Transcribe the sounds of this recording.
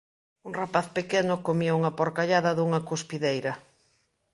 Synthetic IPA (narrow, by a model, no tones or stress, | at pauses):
uŋrapaθpekɛnʊkomiɐuŋɐpoɾkaʎaðɐðuŋɐkuspiðejɾɐ